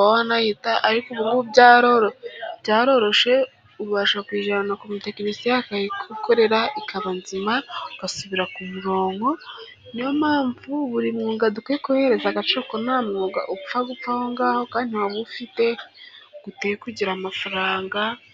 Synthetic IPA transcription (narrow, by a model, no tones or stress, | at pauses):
wanahitaʔaɾikuβuŋɡubɟaːɾo̞ɾobɟaːɾo̞ɾo̞ʃe̞ | uɾuβaʃakwiːʒanakumute̞kenisijakaikʰukoɾe̞ɾaʔikʰaβanzimaukasuβiɾakumuɾo̞ːŋɡo̞ | nijomaːɱvuβuɾimŋuːŋɡadukeekuhe̞ɾe̞zaɡat͡ʃokonamŋuːɡa̰ʔufaɡup͡fahoŋɡaːho̞kaːndiwaβufite̞ɡ̥uteekwiɟiɾamafaɾaːŋɡa